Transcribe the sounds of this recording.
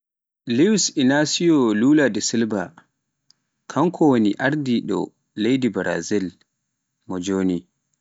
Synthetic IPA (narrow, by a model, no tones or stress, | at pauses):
liwsinasijɔluːladɛsilba | kʰaŋkʰɔwoniʔaɾdiɗɔ̰ | lejdibɾa̰zil | mɔd͡ʒoːni